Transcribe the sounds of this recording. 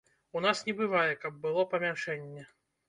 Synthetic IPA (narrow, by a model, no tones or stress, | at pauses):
unasnʲɛbɨvajɛkɐb̚ːɨlˠɔpɐmʲaʂɛnʲːɛ